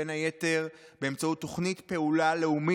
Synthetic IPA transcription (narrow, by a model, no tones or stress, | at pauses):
enaje̞te̞ʁbe̞emt͡sautːo̞χnitpe̞ulale̞umi